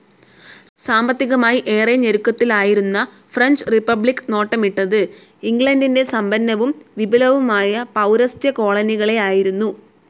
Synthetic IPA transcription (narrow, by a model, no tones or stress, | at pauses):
saːmbɐt̪ːiɣɐmaːjiʔe̞ːreɲeɾukːɐt̪ːilaːjiɾunːɐ | frɐɲd͡ʑɨripːɐbɭikːno̞ːʈːɐmiʈːɐðɨ | iŋɡɭɐndinde̞sɐmbɐnːɐʋumʋibɐlɐʋumaːjɐpɐwɾɐst̪jɐko̞ːɭɐniɣɐɭe̞aːjiɾunːu